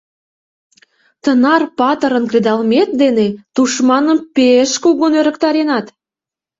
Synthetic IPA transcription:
t̪ənɑrpɑt̪əɾə̆nkred̪ɑlmet̪̚d̪enet̪uʃmɑnə̆mpeʃkuɣonøɾə̆kt̪ɑɾenɑt̪

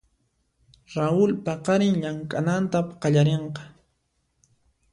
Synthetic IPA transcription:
ɾaʊlpɑqɑɾɪŋʎaŋkʼanant̪apqɑʎaɾeɴqɑ̥

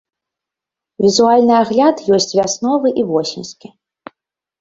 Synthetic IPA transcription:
vʲizualʲnɨaɣlʲat̪jɔsʲt͡sʲvʲasnɔvɨʔivɔsʲimʲsʲkʲi

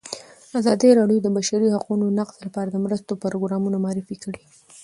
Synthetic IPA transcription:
azɑd̪iɾɑɽjod̪əbaʃaɾihaqunonaqz̥lapɑɾad̪əmɾəst̪opəɾoɡɾɑmunamɑɾifikəɽi

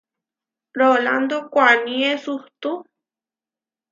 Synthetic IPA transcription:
ɾoland̪okʷanĩesuht̪u

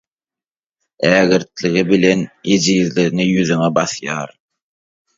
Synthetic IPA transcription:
æːɣɘ̆ɾt̪lɪɣɪbilenid͡ʒiðlɪnɪjyðyŋæbɑθjɑ̰ːɾ

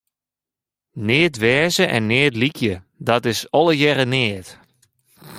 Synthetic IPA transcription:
neətʋɛːzəʔɛnːeːtlikjə | dɔtɪsɔlˠəjɛɾəneːət

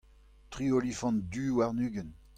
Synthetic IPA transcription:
t̪ʁiolifɑ̃nd̪ywaʁnyːɡən

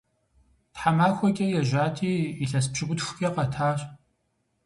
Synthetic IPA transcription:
tħamaːxʷɔkʲʼɐjɛʒʷaːtʰiːɬɐs̬pɕɪɡʷʊtxʷʊkʲʼɐqɐtʰaːɕʼ

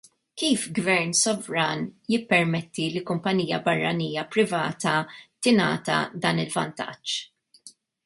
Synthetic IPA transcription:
kiːfɡvɛɾnsɔvɾɐːnjɪpːɛɾmɛt̪ːilikʊmpɐniːjɐbɐrːɐniːjɐpɾɪvɐːt̪ɐt̪ɪnɐ̰ːt̪ɐ̰d̪ɐːnɪlvɐ̰nt̪ɐ̰t͡ʃː

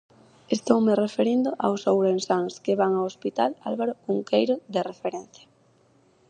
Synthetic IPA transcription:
est̪owmerefeɾind̪ʊʔa̰wsowɾensaŋskeβaŋaospit̪ala̰lβaɾokuŋkejɾoðerefeɾɛ̃n̟θja

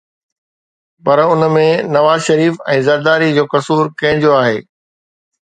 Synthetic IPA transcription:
pɐɾʊnmẽnɐʋaːzʃɐɾiːfɛ̰̃ːzɐɾd̪aːɾid͡ʑoːkɐsuːɾkɐ̃ɦɪ̃̆d͡ʑjoaːɦeː

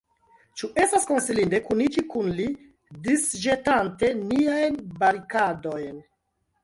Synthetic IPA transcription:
t͡ʃuʔe̞stasko̞nsilinde̞kunit͡ʃikunli | disʒe̞tante̞niajnbaɾikado̞jn

